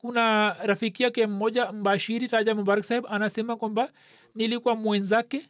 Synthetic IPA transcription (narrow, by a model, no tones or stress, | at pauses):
kunaɾafikiakɛm̩ːɔʄam̩baʃiɾiɾaʄamubaɾaksahɛbanasɛmakwamba | nilikuwamwɛnzakɛ